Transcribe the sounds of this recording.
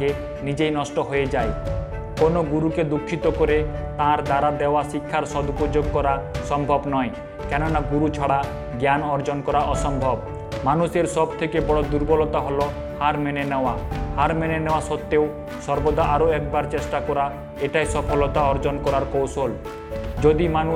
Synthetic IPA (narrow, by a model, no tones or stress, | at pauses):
e | nid͡ʒejnɔsʈɔɦojed͡ʒae | konoɡuɾuked̪ukʰːit̪ɔkɔɾet̪ãaɾd̪aɾad̪ewasikʰːaɾsɔd̪ʱukud͡ʒoɡkɔɾasɔmbʱɔbnɔj̃ | kɛnɔnaɡuɾut͡ʃʰɔɽa | ɡjanɔɾd͡ʒɔnkɔɾaʔɔsɔmbʱɔb | manuseɾsɔb̚t̪ʰekebɔɽɔd̪uɾbɔlɔt̪aɦɔlɔ | haɾmenenewahaɾmenenewasɔt̪ːeo | sɔɾbɔd̪aʔaɾoɛk̚baɾt͡ʃesʈakɔɾa | eʈajsɔpʰɔlɔt̪aɔɾd͡ʒɔnkɔɾaɾkowsol | d͡ʒod̪imanu